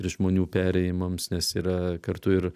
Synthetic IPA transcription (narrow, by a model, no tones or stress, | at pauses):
ɾʲɪʒmoːnʲuːpʲæːɾʲɛjɪmɐmsnʲɛsiːɾɐkɐɾt̪ʊɪɾ